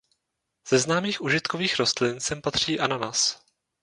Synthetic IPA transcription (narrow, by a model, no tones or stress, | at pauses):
z̥ɛznaːmiːxʔuʒɪt̪koviːxɾo̞st̪lɪnsɛmpat̪r̝̥iːʔananas